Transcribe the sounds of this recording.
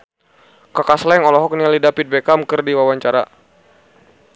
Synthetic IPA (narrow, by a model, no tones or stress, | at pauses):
kakaslɛŋɔlɔɦɔk̚nialidapit̪̚bɛkamkɨrdiwawaɲt͡ʃaɾa̰